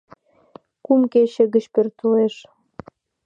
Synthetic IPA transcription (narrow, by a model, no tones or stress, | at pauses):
kumkeɕə̆ɣə̆t͡ɕpørt̪uleʃ